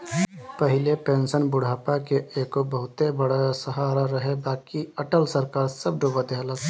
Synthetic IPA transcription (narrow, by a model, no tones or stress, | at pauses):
pəɦɪlepẽːnsənbʊɽ̤ʱaːpakeeːkobəɦʊt̪ebəɽasəɦaːɾaɾəɦebaːkiɐʈəlsəɾkaːɾsəb̚ɖobəd̪eɦələ